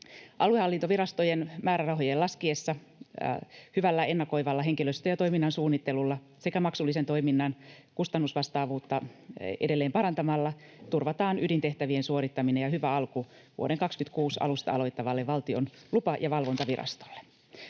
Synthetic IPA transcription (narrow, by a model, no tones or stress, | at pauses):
ʔɑluehɑlːint̪oʋirɑst̪ojenmæːɾærɑɦojelɑskiesːɑ | hyʋælːæe̞nːɑko̞jʋɑlːɑɦeŋkiløst̪øjɑt̪o̞jminːɑnsuːnːit̪ːelulːɑ | se̞kæmɑksulːiset̪o̞iminːɑnkust̪ɑnːusʋɑst̪ɑːʋuːt̪ːɑḛdelːeːmpɑɾɑnt̪ɑmɑlːɑ | t̪urʋɑt̪ɑːnydint̪eht̪æʋiensuoɾit̪ːɑminejɑhyʋæɑlku | ʋṵoɾeŋkɑkskyt̪kuːsɑ̰lust̪ɑ̰ɑ̰lo̞jt̪ːɑʋɑlːeʋʋɑlt̪ionlupɑjʔɑʋɑlʋo̞nt̪ɑʋirʔɑ̰st̪o̥lːe̥